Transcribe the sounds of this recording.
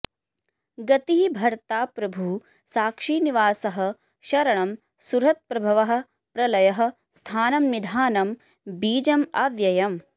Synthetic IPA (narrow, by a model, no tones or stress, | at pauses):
ɡɐt̪iɦibʱɐɾt̪aːpɾɐbʱuː | saːkʂiːniʋaːsɐɦɐ̆ | ʃɐɾɐɳɐm | suɾɦɐt̪̚pɾɐbʱɐʋɐɦɐ̆ | pɾɐlɐjɐɦɐ̆ | st̪ʰaːnɐmnid̪ʱaːnɐm | biːd͡ʒɐmɐʋjɐjɐm